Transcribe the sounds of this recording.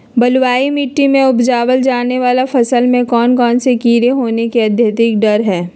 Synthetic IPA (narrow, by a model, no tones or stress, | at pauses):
bɐlwaːimɪʈːimẽʊbd͡ʒaːʋəld͡ʒaːneʋaːlafɐsəlmẽkɔːnkɔːnsekiːɾeɦoːnekeɐd̪ʱjat̪ɪk̚ɖɐɾɦɛː